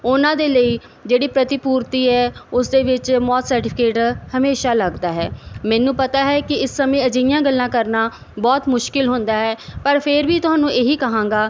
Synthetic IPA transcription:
ʊnãːd̪eːləiː | d͡ʒeːɽiːpɾət̪ɪpuːɾt̪iːɛːʊsd̪eːʋɪt͡ʃmɔːt̪səɾʈɪːpʰɪkeːʈhəmeːʃaːləɡd̪aːɦɛːmɛ̃ːnːũːpət̪aːɦɛːkɪɪsːəmẽːəd͡ʒəjãːɡəlːãːkəɾnaː | bɔːt̪mʊʃkɪlɦʊ̃nd̪aːɦɛːpəɾpʰɪɾʋiːt̪ʊɦãːnːũːʔeːɦiːkəɦãːŋɡaː

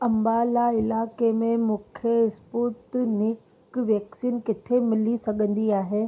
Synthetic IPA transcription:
ɐ̃mbaːlaɪlaːkemẽmũːkʰeɪspuːt̪nɪk | ʋjɛːksiːnkɪt̪ʰemɪlisɐɠʱə̃nd̪iaːɦeː

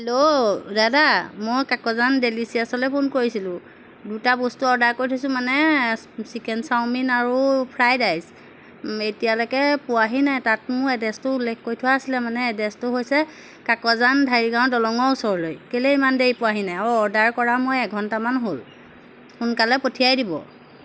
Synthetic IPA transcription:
lodadamojkakɔzandelisiasɔlɛpʰunkoɹisilʊ̃ | dutabostuɔɹdaɹkoɹjtʰɔsʊ̃manɛ | sikɛnsaminaɹupʰɹajdajz | etijalɔjkɛpʊwaɦinajtat̚mʊɹɛdɛstʊlɛkkːojtʰʊwaːsilɛmanɛːdɛstʊɦojsɛ | kakɔzandʱaɹiɡãw̃dɔlɔŋɔusɔɹɔlojkeleimandeipʊwaɦinajɔɔɹdaɹkɔɹamojɛɡ̚ɡʱɔntamanɦol | hunkalɛpotʰijajdibɔ̰

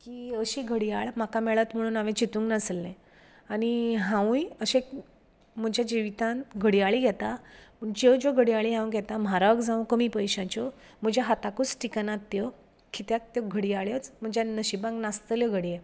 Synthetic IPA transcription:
kiəɕiɡʱəɽijaɭm̤akamɛɭat̪m̤əɽ̃uːnaʋẽt͡ɕit̪ũŋknaslnẽ | aɽ̃iɦãũjəɕẽ | m̤əd͡ʑjad͡ʑiʋit̪ãnɡʱəɽijaɭiɡʱɛt̪aəɳd͡ʑed͡ʑoɡʱəɽijaɭiɦãw̃ɡʱɛt̪am̤aɾaɡd͡zãw̃kəmiːpəjɕãt͡ɕɔ | m̤əd͡ʑaɦat̪akut͡sʈikanat̪ːjɔ | kʰit̪jak̚t̪jɔɡʱəɽijaɭjət͡sm̤əd͡ʑanəɕibãŋɡnast̪əljəɡʱəɽie

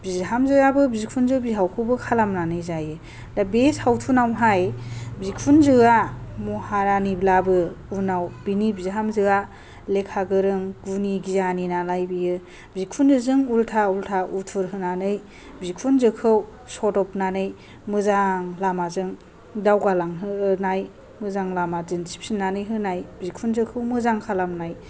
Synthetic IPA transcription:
bizɦamzɯabɯbizkʰunzɯbiɦawkʰɯwbɯkʰalamnanɯjzajɯ | dabeshawtʰunawɦajbikʰunzɯɡamuhaɾaniblabɯunawbinibizɦamzɯɡa | lekʰaɡɯɾɯŋɡuniɡizaninalajbijɯ | bikʰunzɯzɯŋultʰaultʰaʔutʰɯɾɦɯnanɯj | bikʰunzɯkʰɯw | sɔdɔpnanɯj | mɯzaŋlamazɯŋ | dawɡalaŋɦɯnaj | mɯzaŋlamadɯŋsi̥p̚sinːanɯjɦɯnajbikʰunzɯkʰɯwmɯzaŋkʰalamnaj

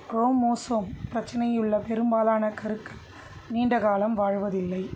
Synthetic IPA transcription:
kɾoːmːoːsɐmpɾɐt͡ʃːɐnɐjɯɭːɐpɛɾɯmbaːlaːnɐkɐɾɯkːɐ̥l | niːɳɖɐɣaːlɐmʋaːɻʋɐðɪlːɐɪ

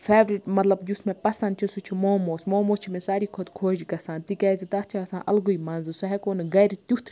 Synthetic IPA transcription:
fʰeːʋɾiʈmɐt̪lɐbd͡ʒusmẽpɐsɐ̃nd̪̚t͡ʃʰisut͡ʃʰumoːmoːsmoːmoːt͡ʃʰimẽsaːɾikʰot̪kʰoːd͡ʒɡɐsãːnt̪ikɛːzit̪ɐt͡ʃʰaɐsãːʔɐlɡuimɐnzɨsɐɦekonɡɐɾit̪ʲut̪ʰ

